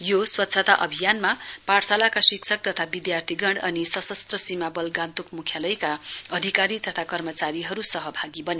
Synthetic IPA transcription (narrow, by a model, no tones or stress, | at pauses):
joswʌtːt͡sʰʌt̪aʔʌbʱijanmapaɽsalakasiksʰʌk̚t̪ʌt̪ʰabid̪jart̪ʰiɡʌɳɽʌnisʌsʌst̪rʌsimabʌlɡant̪ukmukʰjalʌjkaʌd̪ʱikaɾit̪ʌt̪ʰakʌrmʌt͡saɾiɦʌɾusʌɦʌbʱaɡibʌne